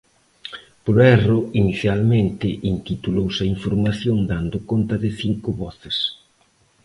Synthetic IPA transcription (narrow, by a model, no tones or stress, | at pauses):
pɾoɛroiniθjalmẽnt̪ɪʔint̪it̪ulowsɐiɱfoɾmaθjond̪and̪ʊkont̪ɐðɪθiŋkʊβɔθɪs